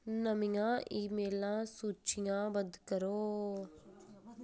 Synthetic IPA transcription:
nəmɪjãːʔiːmeːlãːsuːt͡ʃɪjãːbəd̪kəɾoː

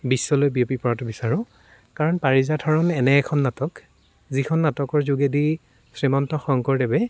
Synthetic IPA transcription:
bisːɔlojbiopipɔɹatʊbisaɹʊ̃ | kaɹɔnpaɹizatʰɔɹɔnɛnɛːkʰɔnːatɔk | zikʰɔnːatɔkɔɹzuɡedi | sɹemɔntɔxɔŋkɔɹdɛbɛ

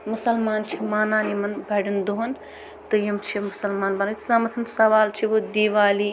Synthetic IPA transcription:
musɐlmaːnt͡ʃʰimaːnaːnimɐnbɛɖɐnd̪uɦɐn | t̪ɨjɐmt͡ʃʰimusɐlmaːnbɐnɐtzaːmɐt̪ʰɐnsɐʋaːlt͡ʃʰiʋod̪iʋaːli

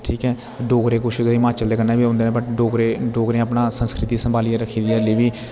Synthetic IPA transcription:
ʈʰiːkɛː | ɖoːɡɾeːkʊʃɪɡimãːt͡ʃəld̪eːkəɾneːbiːõːnd̪eːnẽbəʈɖoːɡɾeɖoːɡɾẽəpnaːsənskɾɪt̪iːsəmbaːliɾəkʰiːd̪iɛːliːʋiː

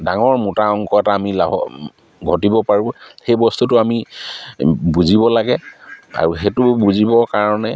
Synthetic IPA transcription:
daŋɔɹmutaɔŋkɔɛtaːmila̰ɦɔ̰ | ɡʱɔtibɔpaɹĩxejbɔstutʊami | buzibɔlaɡɛa̰ɹuxetʊbuzibɔkaɹɔnɛ

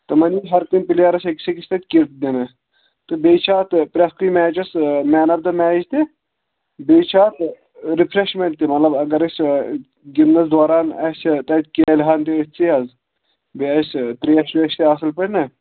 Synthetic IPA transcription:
t̪ɨmɐniɦɐɾkimʲpiljaːɾɐseksekisʲt̪ɐt̪̚ʲkiɾt̪̚d̪inɐ | t̪ɨbeːjt͡ʃʰaːt̪pɾʲɐskimɛːd͡ʒɐsmɛːnɐb̚d̪ɐmɛːid͡ʒt̪i | beːt͡ʃʰaːt̪ | ɾipʰɾeʃmeɳʈ̚t̪imɐt̪lɐbɐɡɐɾɐsʲ | ɡiɾnɐsd̪aːɾaːnɐst̪ɐt̪̚ʲkelɦaːnt̪iɐt͡siɐz | beɐst̪ɾiɐʃlɐʃʲt̪iaːsɐlpɐɽnɐ

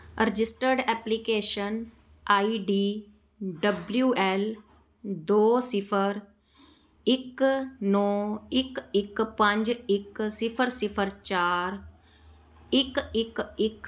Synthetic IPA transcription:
ɾɪd͡ʒɪsʈəɾɖɛːplikeːʃən | aːiːɖiː | ɖəbljuːɛːl | d̪oːsɪpʰəɾ | ɪknɔːɪkɪkpə̃ɲd͡ʒɪksɪpʰəɾsɪpʰəɾt͡ʃaːɾ | ɪkɪkɪk

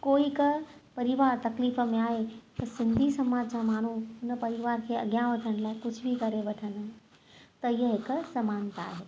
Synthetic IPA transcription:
koikəpəɾiʋaɾt̪ɐklifmeaet̪əsind̪ʱisəmad͡ʒsãman̤unəpəɾiʋaɾkʰeə̰ɡjãʋəʈʰəñlaekʊt͡ʃʰbʱikəɾebəʈʰənaɦe | t̪əjəɦikəsəmant̪a̰ɦe

